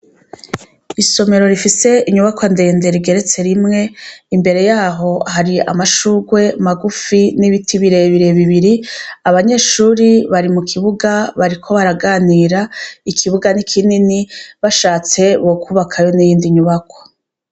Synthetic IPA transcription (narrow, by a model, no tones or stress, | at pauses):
iso̞me̞ɾo̞ɾifise̞iɲuβakwande̞ːnde̞ɾiɡe̞ɾe̞t͡se̞ɾimŋe̞imbe̞ɾe̞jaːɦo̞haɾia̰maʃuːɡwe̞maɡufiniβitʰiβiɾe̞βiɾe̞βiβiɾiaβaɲe̞ːʃuːɾiβaɾimukʰiβuɡaβaɾikʰo̞βaɾaɡaːniːɾaikʰiβuɡanikʰininiβaʃaːt͡se̞βo̞kʰuβakʰajo̞nijiːndiɲuβakwḁ